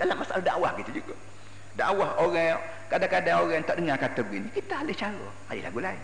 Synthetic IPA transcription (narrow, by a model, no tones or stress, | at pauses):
dalamːasaʔalahdaʔwahkit̪ad͡ʒuɡaʔ | da̰ʔwahoɾa | kadakadaŋoɾaŋt̪aʔdəŋakat̪əɡinikit̪aːlɪht͡ʃalo̰ | a̰lḭla̰ɡulai